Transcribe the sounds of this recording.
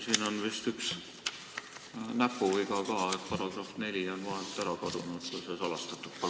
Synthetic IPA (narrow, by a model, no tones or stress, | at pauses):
siːno̞nvist̪yks | næpːuviɡ̥ɑkɑːet̪̚pɑɾɑɡrofne̞lʲionvɑɦelt̪æɾɑkɑd̪̥unut̪kusesɑlɑst̪ɑt̪ːˑut̪̚pɑ